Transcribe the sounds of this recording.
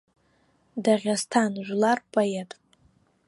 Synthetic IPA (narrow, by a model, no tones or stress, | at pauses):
daʁʲastʰanʒʷlarpʰʼojetʼ